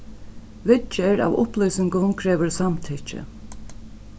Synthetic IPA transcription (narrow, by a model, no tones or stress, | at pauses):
ʋɪt͡ʃɛɾa̰ːʋʊ̰plœːsɪŋkʊnkʰɾɛːʋəɹsamt̪ʰit͡ʃɪ̰